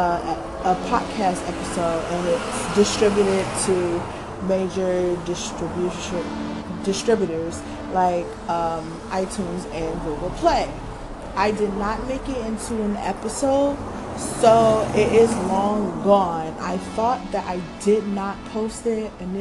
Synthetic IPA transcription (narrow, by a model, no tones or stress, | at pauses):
əpʰɑ̰d̚kʰæstɛpəsoʊɾɨ̃nɪtsd̥ɨstɹ̥ɪbjɾɪd̚tʰɨ | meɪd͡ʒə˞dɪstɹ̥bjʉʃ | dɨstɹ̥ɪbjɨɾə˞z̥ | laɪk | ʌ̃m | ʔaɪtʰũnzɨ̃nɡuɡl̩ˠpʰl̥eɪ | ʔaɪdɨdⁿnət̚meɪkɪɾɪ̃ntʰuɨ̃nɛ̰pɨsoʊd̥̚ | soʊɪɾɪzlɔ̃ŋɡɔ̃na̰ɪθɔt̪̚ðɨɾʔa̰ɪdɪdⁿnət̚pʰoʊstɪɾɨ̃n